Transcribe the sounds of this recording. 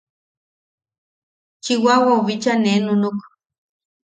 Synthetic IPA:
t͡ʃiwawauβit͡ʃanenunuk

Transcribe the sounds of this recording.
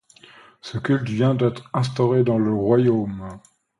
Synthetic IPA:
səkʲylt̪vjɛ̃d̪ɛt̪χɛ̃st̪ɔʁed̪ɑ̃ləʁwajom

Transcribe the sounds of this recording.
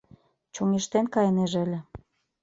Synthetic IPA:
t͡ɕoŋeʃt̪enkɑjneʒəlʲĕ

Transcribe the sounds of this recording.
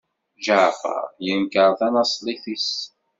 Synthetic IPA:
ʒəʕfə̰ɾˤjənkəɾˤθænɑsˤlˤiθis

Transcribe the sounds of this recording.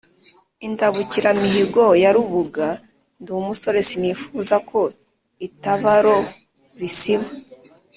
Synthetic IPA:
intaβuciɾamiɦiɡo̞jaɾuβuɡa | ndumuso̞ɾe̞sinifuːzakʰo̞ | itaβaɾo̞ | βisima

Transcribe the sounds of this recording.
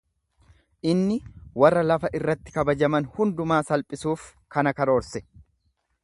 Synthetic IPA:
ʔɪnːɪwɐrːɐlɐfɐʔɪrːɐt̪ːɪ̥kɐbɐd͡ʒɐmɐnhʊnd̪ʊmaːsɐlpʼɪsuːf | kɐnɐkɐɾo̞ːɾsɛ̥

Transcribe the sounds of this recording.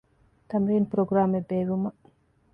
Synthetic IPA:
t̪ɐmɾiːnpɾoɡɾaːmebeːʋumɐ

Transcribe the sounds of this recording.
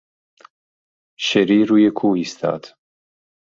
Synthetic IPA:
ʃeɾiːɾuːjekʰuːist̪ʰɑ̰ːd̪̥

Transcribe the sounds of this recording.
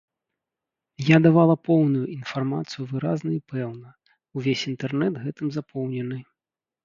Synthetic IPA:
jad̪avalˠɐpɔwnujuʔin̪farma̰t̪sɨjuvɨɾaznɐipɛwnɐ | uvʲesʲint̪ɛrnɛd̪ɣɛt̪ɨmzapʰɔwnʲɛnɨ

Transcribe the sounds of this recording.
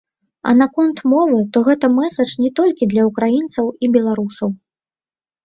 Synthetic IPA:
ɐ̰nakɔnt̪mɔvɨt̪ɔɣɛt̪ɐmɛsɐt͡ʂnʲɛt̪ɔlʲkʲid̪lʲɐukɾajint̪sɐwibʲɛlˠaɾusɐw

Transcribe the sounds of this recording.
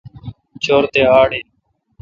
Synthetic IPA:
t͡ʃʰoːɾt̪eːaːɽeː

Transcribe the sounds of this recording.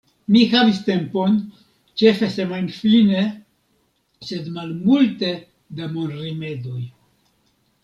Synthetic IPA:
mixavist̪e̞mpo̞n | t͡ʃe̞fesemajnfine | sed̪malmult̪e̞ | d̪amonrimed̪oj

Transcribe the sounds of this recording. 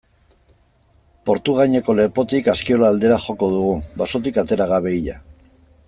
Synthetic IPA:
po̞ɾt̪uɣaɲeko̞le̞po̞t̪ikaskio̞laːld̪e̞ɾaxo̞ko̞ðuɣ̞ubaso̞t̪̬ikat̪e̞ɾaɣaβe̞iʎa̰

